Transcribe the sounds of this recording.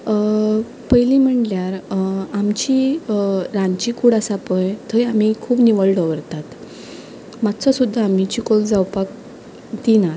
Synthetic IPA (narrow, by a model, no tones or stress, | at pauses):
pəjlim̤əɳljaɾamt͡ɕi | ɾãnt͡ɕikuːɽasapəjt̪ʰəjam̤ikʰuːpniʋəɭɖʱəʋəɾt̪at̪ | mat̪t͡sɔsud̪ʱːaːmit͡ɕikold͡zawpak | d̪ina